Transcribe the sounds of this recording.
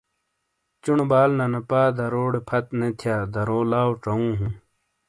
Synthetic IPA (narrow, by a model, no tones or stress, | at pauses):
t͡ɕuɳbaːlnɐnɐpaːd̪ɐɾoːɽepʰɐt̪net̪ʰjaːd̪ɐɾoːlaːwʈ͡ʂɐũːɦũː